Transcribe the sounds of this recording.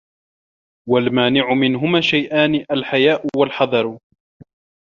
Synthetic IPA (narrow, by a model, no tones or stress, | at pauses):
walmaːnɪʕʊmɪnɦʊmaːʃajʔaːnɪʔalħajaːʔʊwalħɑd̪ˤɑɾˤ